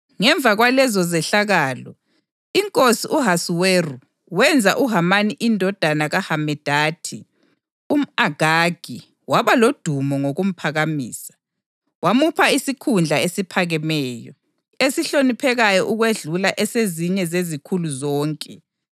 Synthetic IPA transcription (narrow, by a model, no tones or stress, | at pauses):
ŋɛɱvaɣwalɛzɔzɛɬaɣaːlɔ̰ | iŋkʼosiʔuɦasuweru | wɛnd͡zʱa̰ʔuɦamaniʔindʱɔd̥ʱanaɣahamɛd̥ʱaːtʰi | um̩aɡ̥ʱaɡ̥ʱi | waβalod̥ʱumɔŋoɣum̩pʰaɣamiːsḁ | wamupʰaisikʰund͡ɮʱaesipʰaɣɛmɛːjɔ̰ | esiɬonipʰɛɣajɔʔuɣweɮulaʔɛseziɲɛzezikʰuluzɔːŋkʼɛ